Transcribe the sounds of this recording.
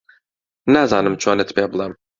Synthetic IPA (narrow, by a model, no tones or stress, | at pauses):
næzɑːnɨmt͡ʃʰanɛt̪pʲɛblˠɛm